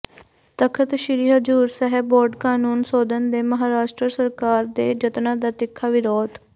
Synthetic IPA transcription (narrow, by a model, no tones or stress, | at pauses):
t̪əkʰət̪ʃɾiːɦəd͡ʒuːɾsɛɦɛbboːɾɖkaːnuːnsoːd̪ənd̪eːməɦaːɾaːʃʈɾəsəɾkaːɾd̪eːd͡ʒət̪nãːd̪aːt̪ɪkʰːaːʋɪɾoːd̪